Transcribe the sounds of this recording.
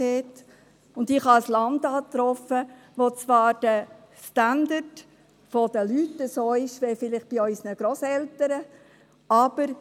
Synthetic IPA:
ɛt | ʊndɪχhɑslɑndɑːt̪ɾɔfə | ʋot͡sʋɑːɾd̥ə | standəd | fod̥̪əlytəsoːɪʃʋɛfɪlɪχb̥iœʏsnəɡ̥ɾoːsɛltəɾə | ɑb̥əɾ

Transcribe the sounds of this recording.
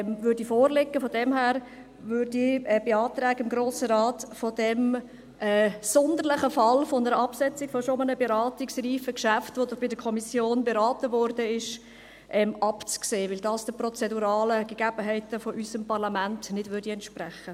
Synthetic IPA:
mvʏːɾdifɔːɾlɪɡːəfɔdɛmhæːɾ | vʏɾdiɛbeɑːtɾɛːɡəɪmɡɾoːsəɾɑːtfɔd̥ɛm | ʔɛːsɔnd̪əɾlɪχəfɑlfɔnəɾəɑpsɛt͡siɡ̥fɔsomənəbɛɾɑːtiksriːfəkʃæftʋod̪ʊχb̥ɪdəkʰɔmisjoːnbɛɾɑːtəʋɔɾd̥əɪʃ | ʔɛmʔɑpt͡skseːʋɪld̥ɑːsd̥əprɔt͡sɛduɾɑːləɡ̥ɛɡ̥æb̥əɦɛɪtəfɔʔysəmpɑɾlɑmæntnɪdʋʏɾdiɛntʃpræχə

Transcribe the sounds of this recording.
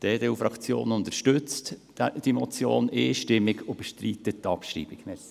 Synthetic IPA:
d̪̥eːdeːufɾɑkt͡sjo̰ːnʊnt̪əɾʃtʉt͡st | d̥̪imɔt͡sjo̰ːnɪʃtɪmːɪɡob̥əʃtɾiːt̪ətːɑpʃrḭːbɪɡ̥nɛ

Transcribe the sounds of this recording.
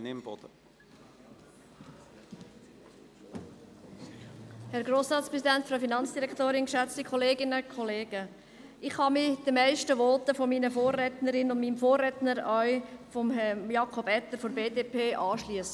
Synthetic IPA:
nɪmb̥ɔ̰d̥̪ə | hɛɾɡɾoːsɾɑːtspɾɛs̬idɛntfɾɑfinɑnt͡sd̥iɾɛktoːɾɪnkʃɛt͡stikʰɔleːɡɪnəkʰɔleːɡə | ɪχhɑmɪd̥əmɛɪʃtəʋɔːtəfomiːnəfoːrːɛtnəɾɪnʊnmiːmfoːrːɛtnəɾœʏfɔmjɑkʰɔbɛt̪ːəɾfoɾbeːdeːpʰeːʔɑːʃliəsə

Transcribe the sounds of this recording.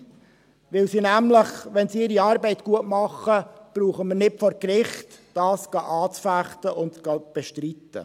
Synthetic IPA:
ʋɪlsinæmləχʋɛnsiɪɾiɑːɾbɛɪtkuətmɑχːəb̥ɾuːχəməɾnɪtfɔɾkɾɪχtd̥ɑːsɡ̥ɑʔɑːt͡sfæχtəʔʊntt͡sɡ̥ɑb̥ɛʃtɾit̪ːə̰

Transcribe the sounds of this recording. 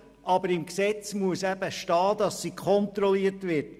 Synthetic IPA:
ʔɑbəɾɪmksɛt͡smuəsæb̥əʃtɑːd̪ɑsːikʰχɔnt̪ɾɔliətʋɪɾt

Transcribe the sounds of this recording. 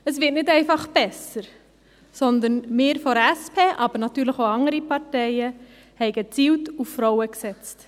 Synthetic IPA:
əsʋɪtnɪtɛɪfɑχb̥ɛsəɾ | sɔnd̪ənmɪːɾfɔɾæspʰeːʔɑbəɾnɑt̪yːɾləχoʊɑŋəɾipɑɾtɛɪə | hɛɪɡət͡siːwtuffɾɔʊəksɛt͡st

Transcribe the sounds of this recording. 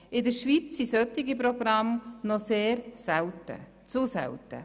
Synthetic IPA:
ɪdəɾʃʋit͡sisœtiɡip̬ɾɔɡɾɑmnɔseːɾsɛwtə̰ | t͡susɛ̰wtə̰

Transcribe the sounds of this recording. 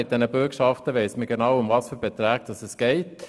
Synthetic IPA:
ɪt̚d̪ɛnəbʉkʃɑft̪əʋeɪsməɡənɑʊʊmvɑsfyːbɛt̪ʰɾæːɡ̥̚d̪ɑsəsɡ̥eɪt̪

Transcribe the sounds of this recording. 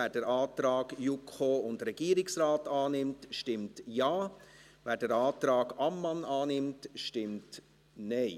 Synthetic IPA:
æːd̥ɛɾʔaːtɾɑːɡ̥jukʰoːʊndɾɛɡ̥iːɾɪksɾaːtaːnɪmtʃtɪmtjaː | væːɾd̥ɛɾaːtɾɑːɡɑmːɑnɑːnɪmtʃtɪmt | nɛɪ

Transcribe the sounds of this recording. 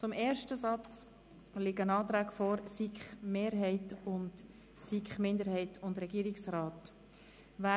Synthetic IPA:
t͡sʊmeːɾʃtəsɑt͡s | lɪɡənɑːt̪ɾæːɡ̥fɔːɾsikχmeːɾɦɛɪtʊnd | sikχmɪndəɾɦhɛɪtʰʊndɾɛɡiːɾɪksɾɑːt | væ

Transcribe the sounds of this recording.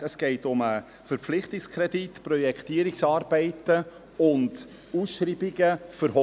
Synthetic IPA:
əsɡ̥ɛɪtʊmə | fəɾpflɪχtɪkskʰɾɛditpɾɔjɛkχtiːəɾɪksɑːɾbɛɪtə | ʊnd | usʃɾiːbiɡəfəɾɦɔ

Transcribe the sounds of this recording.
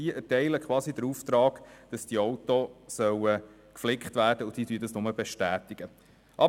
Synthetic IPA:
iʔɛtɛɪləkʰχwɑːsidəɾuft̪ɾɑːɡ̥d̥ɑsd̥iɔʊt̪osœwə | kflɪkχt̪væːrd̥əʊd̥iːtyːədɑsnʊməbɛʃtæːt̪ɪɡ̥ə | ʔɑ

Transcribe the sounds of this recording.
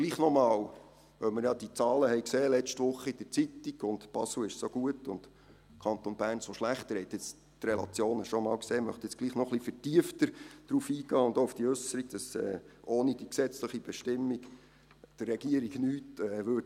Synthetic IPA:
ɡ̥liːχnɔmɑːw | vœwməɾjɑd̥̪iət͡sɑːləhɛɪkseːlɛt͡ʃtʋʊχəid̥ət͡sit̪iɡ̥ʊndb̥ɑsl̩ɪʃsoɡuətʊnd̪ | kʰɑnt̪onb̥æːɾnsoʃlæχt̪əɾɛt̪jɪt͡s | trelɑ̰t͡sjoːnəʃɔmɑːlwkseːmœ̰χt̪ɪt͡sɡ̥liːχnɔχlifətiəft̪əɾd̥ɾuːfiːɡ̥ɑːʊnd̪oufd̥iɵsəɾiɡ̥d̥ɑsɛ̰ːʔoːnid̥iksɛt͡sləχib̥ɛʃtɪmːiɡ̥ | d̥ərːɛɡiəɾiɡnyːtɛːʋøː

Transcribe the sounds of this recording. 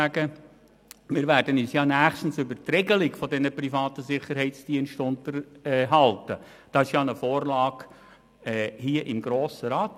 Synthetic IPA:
æɡə | mɪɾʋæːɾdənisjɑːnæːχʃtn̩sʏbətrɛɡəlɪkfɔdɛnəpɾifɑːt̪əsɪχəɾhɛɪtt͡sd̥iənʃtʊntəɾɦɑltə̰ | d̥ɑɪʃjɑːnəfoːɾlɑːɡ | ɛhiəʔɪmɡɾoːsəɾɑːt

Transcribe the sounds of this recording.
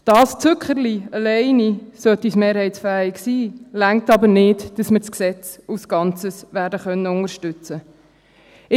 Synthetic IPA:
d̥ɑːst͡sʉkχəɾliəlɛɪnisœtismeːɾhɛɪtsfæːɪksiːlæŋk̚tɑbənɪdd̥ɑsməɾt͡sksɛt͡susɡ̥ɑnt͡səsʋæːɾdəχœnːəʊŋəɾʃtʏt͡sə | ɪ

